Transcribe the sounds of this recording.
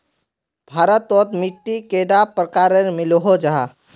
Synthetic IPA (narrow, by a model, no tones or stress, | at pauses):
bʱaːɾət̪ɔt̪miʈːikeɖapɾəkaːɾənmɪloɦod͡ʒaɦa